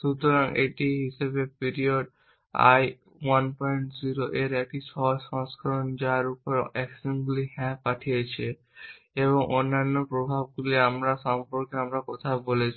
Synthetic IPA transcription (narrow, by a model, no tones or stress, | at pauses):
ʃut̪oɾaŋḛʈiɦiʃebepiɾioɖ | a̰j | wanpɔjɳʈziɾoʔeɾɛk̚iʃɔʃɔ̃ŋskʰaɾond͡ʑaɾupoɾɛksinɡuliɦɛ̃paʈʰijet͡ɕʰe | eβoŋʔonːanːopɾobʱab̚ɡuliamɾaʃampoɾkeamɾakɔt̪ʰabolet͡ɕʰi